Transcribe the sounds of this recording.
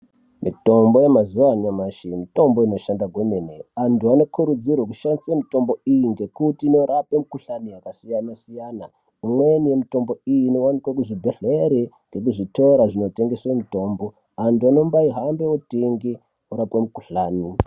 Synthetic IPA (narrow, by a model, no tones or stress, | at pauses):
mito̞mbo̞jemazuwaɲamaʃimito̞mbo̞ino̞ʃandaɡʱweneneantuano̞kʰuɾud͡zirweku̥ʃandisamito̞mbo̞ijiŋɡe̞kutiːnoɾapwe̞mukuɬaniakasijanasijana | imwenije̞mito̞mbo̞ijino̞wanikwakuʐibʱeɮeɾeŋɡe̞k̬uʐito̞ɾaʐino̞te̞ŋɡe̞swemito̞ːmbo̞ | antuano̞mbaiɦambeoteŋɡe | oɾapwe̞mukuɬaːni